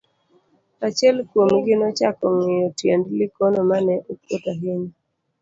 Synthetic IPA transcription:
at͡ʃɛlkwomɡɪnɔt͡ʃakɔŋɪjɔtjendlɪkɔnɔmanɛʔokwotaɦiɲ

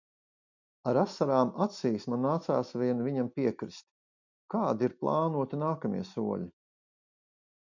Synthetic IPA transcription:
aɾasaɾaːmat̪siːsmanːaːt̪saːsviɛnviɲampiɛkɾist̪ | kaːd̪iiɾplˠɑːnuɔt̪inaːkamḭɛsṵɔ̰ʎʲi

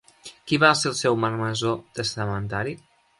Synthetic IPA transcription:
kiβaselˠsɛwməɾməzot̪əst̪əmənt̪aɾi

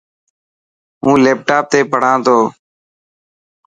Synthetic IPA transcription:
ũːleːp̚ʈaːp̚t̪eːpəɽ̤ãːt̪oː

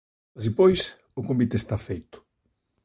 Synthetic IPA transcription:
asipojs | ʊkombit̪est̪afejt̪ʊ̥

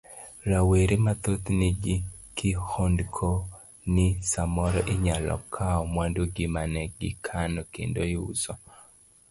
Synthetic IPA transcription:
laweɾemat̪ot̪nɪd͡ʒikɪhondkʰo | nɪsamɔɾɔʔɪɲalɔ̰kʰaɔmwandoɡɪmanɛɡɪkʰanɔkḛndoɪṵsɔ

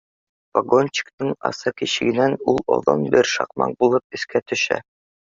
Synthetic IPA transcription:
pɐɡonʲt͡ɕi̥kt̪ɤŋɑ̰sɤkiɕɘ̆ɡɘ̆nænulˠɒ̰ðɤ̰nbɘɾʃɑ̰qmɑ̰q̚bulˠɤp̚ɘ̆skæt̪ɵ̆ʃæ̰

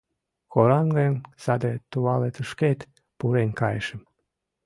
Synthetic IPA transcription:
koɾɑnɡensɑd̪et̪uɑlet̪əʃket̪ | puɾenkɑjḛʃəm

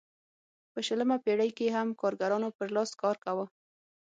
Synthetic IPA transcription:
pəʃələmapeɽəjkeɦamkɑɾɡaɾɑnopəɾlɑskɑɾkawə

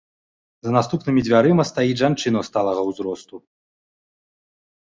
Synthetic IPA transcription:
zɐnast̪upnɨmʲid͡zʲvʲaɾɨmɐst̪ajiʐant͡ʂɨnɐwst̪alˠɐɣɐwzɾɔst̪u

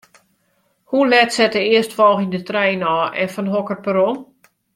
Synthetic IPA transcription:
hulɛtsɛtəɪəstfɔlˠxindətrɛjnɔːʔɛnfɔnɦɔkərpəɾon

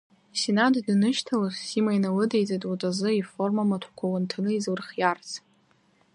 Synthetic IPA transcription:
sinaddnɨʃtʰalassimajnalɨdejt͡sʼatʼatʼazɨiformamatʷʰħkʷʰawantʰɨnɨizwɨrχʲjart͡sʰ

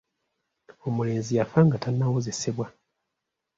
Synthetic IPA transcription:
o̞mule̞ːnzijafaːŋɡatanːawoze̞seβwa

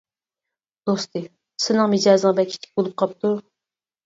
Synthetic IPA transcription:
d̪̥ost̪ɨ | sɪnɨŋmid͡ʒɑːzɨŋbɛkʲʰi̥t͡ʃ̪ʰi̥k̚ʲbolˠup̚qʰɑp̚t̪ʰu

